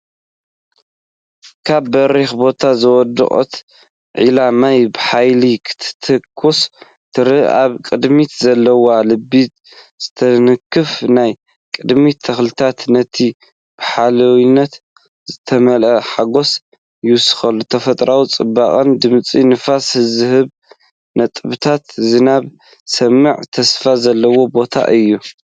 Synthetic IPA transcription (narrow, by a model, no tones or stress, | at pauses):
kʰabːɐɾexbo̞t̪ʰazɨwɔd̪ɨ̰χʼo̰t̪ | ʕilamajbɨħajlikʰɨ̥t̪ʰɨ̥t̪ʰɨkʰːus | t̪ʰɨɾɨaβkʼɨd̪mit̪zɐlːɐwalɨbit̪ | z̥ɨt̪ʰɐnɨkʰːɨfnaj | kʼɨd̪mit̪ʰɐxlɨt̪ʰat̪nɐt̪ʰi | b̥ɨħalɐwinːɐt̪ | zɨt̪ʰɐmɐlʔɐħaɡo̞s | jɪwsɨ̥xɐlːot̪ʰɐfɐt̪ʼɾawit͡sʼɨbːaχʼɐnd̪ɨmt͡sʼinɨfashɨzɨhɨβ | nɐt̪ʼɨβɨt̪ʰat̪zɨnaβ | sɐmːɨʕt̪ʰɐsfazɐlːɐwo̞bo̞t̪ʰa̰ʔɨjːu